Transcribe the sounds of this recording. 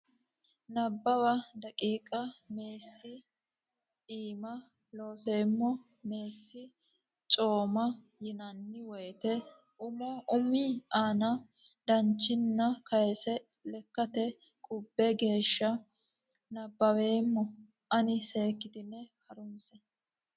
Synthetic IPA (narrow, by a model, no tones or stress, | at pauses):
nɐbːɐwɐd̪ɐkʼiːkʼɐme̞ːsːɪ | iːmɐ | lo̞ːse̞ːmːɔ | me̞ːsːɪ | t͡ʃʼo̞ːmɐ | jɪnɐnːɪwɔjt̪ɛ | ʔʊmɔʔʊmiaːnɐ | d̪ɐnt͡ʃːɪnːɐkɐjɛsɛ | lɛkːɐt̪ɛ | kʼʊbːɛɡe̞ːʃːɐ | nɐbːɐwe̞ːmːɔ | ʔɐnɪse̞ːkːɪd̪ɪnːɛhɐɾʊmsɛ